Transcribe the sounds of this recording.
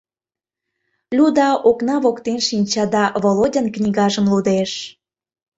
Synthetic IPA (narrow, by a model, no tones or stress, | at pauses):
lʲud̪ɑʔoknɑβokt̪enʃinʲt͡ɕɑd̪ɑvolodʲənknʲiɣɑʒəmlud̪eʃ